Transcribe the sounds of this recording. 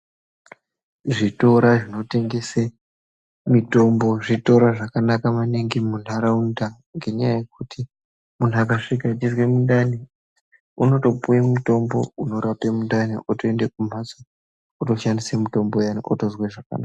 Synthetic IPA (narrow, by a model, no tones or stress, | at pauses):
ʐito̞ɾaʐino̞te̞ŋɡe̞se | mito̞mbo̞ʐito̞ɾaʐakanakamaniŋɡimun̤aɾaunda | ŋɡe̞ɲajaje̞kutʰi | mun̤uakaʂikat͡ʃizwe̞mundani | uno̞to̞pujemuto̞mbo̞̰uno̞ɾapemundaniʔotoendekum̤aso | oto̞ʃandisemuto̞mbo̞jano̰ʔo̰tozweʐaka̰na̰ka